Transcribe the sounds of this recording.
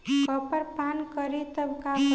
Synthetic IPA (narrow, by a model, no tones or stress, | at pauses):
pəpəɾpankəɾet̪əb̚kak